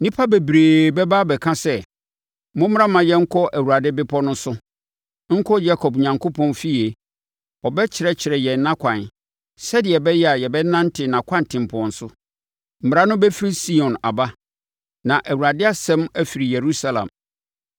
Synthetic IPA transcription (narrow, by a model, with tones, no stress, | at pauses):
nĩ˦pʰa˦be˨bɾeː˨bɛ˦ba˦bɛ˨kʰã˦sɛ˦ | mʊ̃˦m˦ɾã˦mã˨jɛ˦ŋ̩˦kʰɔ˦ʔæ˨wu˨ɾa˨dɪ˦bɪ˦pʰɔ˦nʊ̃˦sʊ˦ | ŋ̩˦kʰɔ˦d͡ʑa˦kʰɔ˨bɲã˨ŋkʰo˦pʰɔ̃˦˨nfi˦e˨ | ɔ˨bɛ˦t͡ɕʰɪ˨ɾɛ˨t͡ɕʰɪ˨ɾɛ˨jɛ˨n˦nã˦kʷʰã˨n | sɛ˦dɪ˨ɛ˨bɛ˦jɛ˦a˨jɛ˨bɛ˦nã˦n̩˦tʰɪ˨nã˨kʷʰã˦n˨tʰɪ̃˨m˨pʰɔ̃˨n̩˨sʊ˦ | m̩˨m˨ɾa˦nʊ̃˦bɛ˦fi˦ɾi˦si˦ɔ̃˨na˨ba˦ | nã˨ʔæ˨wu˨ɾa˨dɪ˦a˨sɛ̃˦mæ˦fi˨ɾi˨je˨ɾu˦sa˦lã̰˨m